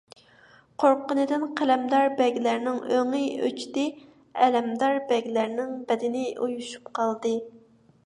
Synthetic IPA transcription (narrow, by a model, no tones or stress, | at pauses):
qʰoɾqʊnɨd̪ɪnqʰælɛmd̪ɑɾbɛɡʲlæɾnɪŋøŋɨjø̰t͡ʃi̥d̪ɪ | ɛlɛmd̪ɑɾbɛɡʲlæɾnɪŋbɛd̪ɪnɪʔujuʃu̥pqʰɑlˠd̪ɨ